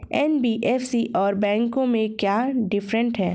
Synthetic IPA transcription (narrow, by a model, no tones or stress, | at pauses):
ɛnbiːʔɛːfsiʔɔːɾbɛ̃ːŋkõmẽkjaːɖɪfɾə̃ɳʈɦɛː